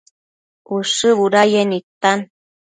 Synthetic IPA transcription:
uʂɨβuɾajenit̪an

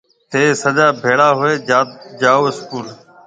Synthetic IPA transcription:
t̪eːsəd͡ʒaːbʱeːɽaːɦʊeːd͡ʒaːoːɪskuːl

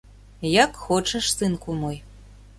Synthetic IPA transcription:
jakxoʈ͡ʂʰɐʂsɨnkʷʼʊmoj

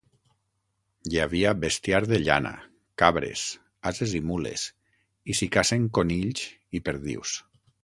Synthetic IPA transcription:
ʎaβiabest̪jaɾðeʎa̰na̰ | kaβɾḛs | azezimulḛs | isikaseŋkoniʎz | ipeɾðḭws

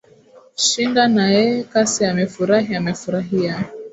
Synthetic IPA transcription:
ʃindanajɛkasiamɛfuɾaɦiamɛfuɾaɦia

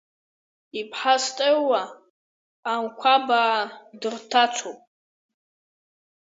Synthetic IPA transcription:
ipʰħastʼewaː | mkʷʰabaːdɨrtʰat͡ʃʷʰopʼ

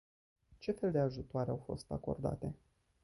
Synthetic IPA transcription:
t͡ʃe̞fe̞ld̪e̞aʒut̪oaɾeawfo̞̰st̪a̰ko̞̰rd̪a̰t̪e̞

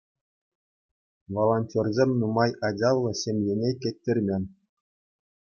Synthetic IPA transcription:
ʋolˠonʲtʲorzʲemʲnumɑjɑdʲɑlˠːɤ̆ɕʲemʲjenʲekʲĕt̪ʲːɘ̆rʲmʲenʲ

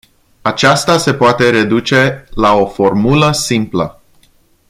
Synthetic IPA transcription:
at͡ʃast̪ase̞poat̪e̞ɾe̞d̪ut͡ʃe̞lao̞fo̞rmuləsimplə

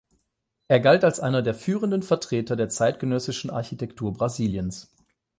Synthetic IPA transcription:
ʔeːɐɡaltalsʔaɪnɐdeːɐfyːʁəndənfɛɐtʁ̥eːtɐdeːɐt͡saɪtɡ̥ənœsɪʃn̩ʔa̰ɐçitʰɛktʰuːɐbʁaziːljəns

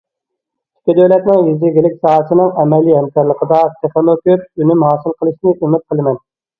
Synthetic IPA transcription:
i̥kʲɪd̪ølɛt̪nɨŋjizɪɡʲilɪkʲsɑːɦəsɨnɨŋɛmɛlːiɦɛmkʲɛɾlˠəqʰəd̪ɑt̪ʰeχonokʲyɾynymhɑːsɨlˠqʰəlˠɨʃnɨʔimɪt̪̚qʰəlˠɨmɛn

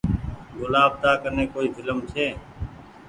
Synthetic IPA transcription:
ɡʊlaːb̚t̪aːkəɾneːkoːiːzɪləmt͡ʃʰeː

